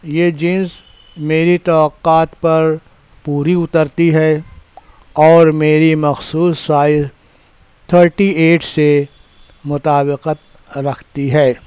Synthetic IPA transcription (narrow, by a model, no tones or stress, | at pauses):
jeːd͡ʒĩːnz | meːɾit̪ɔːqaːt̪pɐɾ | puːɾiʊt̪əɾt̪iɦɛː | ɔːɾmeːɾimɐxsuːsːaːɪz | t̪ʰəɾʈieːʈse | mʊt̪aːbɪqət̪ | ɾɐkʰt̪iɦɛː